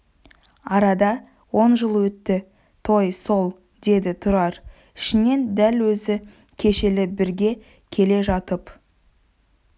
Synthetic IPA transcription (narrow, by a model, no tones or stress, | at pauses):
ɑɾɑd̪ɑ | wo̞nʒəlˠwɵt̪ːɪ | t̪ʰo̞jso̞lˠ | d̪e̞d̪ɪt̪ʰʊɾɑɾ | ɪ̥ʃɪne̞nd̪ælwɵzɪ | kʲʰe̞ʃelɪbɪɾɡʲe̞ | kʲʰe̞le̞ʒɑt̪əp